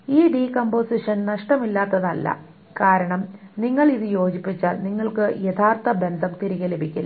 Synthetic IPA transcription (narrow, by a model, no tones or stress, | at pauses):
iːɖiːkomboːsiʂɐnnɐʂʈɐmilːaːt̪ːɐðɐlːɐ̰ | kaːɾɐɳɐmniŋːɐɭiðɨjo̞ːd͡ʑipːit͡ɕːaːlniŋːɐɭkɨjet̪ʰaːrt̪ɐbe̞nd̪ʱɐmt̪iɾiɣɐlebʱikʲːɐl